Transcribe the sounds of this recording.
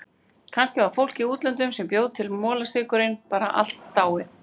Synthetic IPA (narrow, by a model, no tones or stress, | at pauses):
kʰanscɪvaɾ̥fowl̥ciuːt̪lɛnt̪ʏmsɛmpjowðt̪ʰɪlmɔːlasɪːkʏɾɪnpaːɾa̰ʔa̰l̥t̪ːaːwɪ